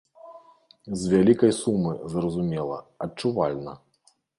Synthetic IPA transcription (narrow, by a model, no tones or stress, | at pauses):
zʲvʲalʲikɐjsumɨzɾɐzumʲɛlˠɐ̰ɐt͡ʂuvalʲnɐ̰